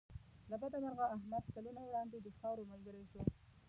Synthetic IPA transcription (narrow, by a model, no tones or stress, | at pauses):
labad̪amaɾɣaːɦmad̪̚kalunawɽɑnd̪ed̪əxɑwɾomalɡəɾeʃo